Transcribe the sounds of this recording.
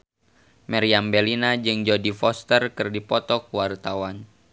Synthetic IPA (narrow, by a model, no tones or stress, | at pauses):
mɛɾiambɛlinad͡ʒɨŋd͡ʒɔdifɔst̪ərkɨrdipɔt̪ɔkuwart̪awan